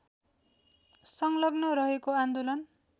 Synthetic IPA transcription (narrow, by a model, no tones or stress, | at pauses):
sʌŋlʌɡnʌɾʌɦekoãnd̪olʌn